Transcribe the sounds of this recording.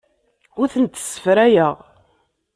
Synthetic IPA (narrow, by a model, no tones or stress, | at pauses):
ʊɾθənt̪ːə̥sːə̥fɾæjəʁ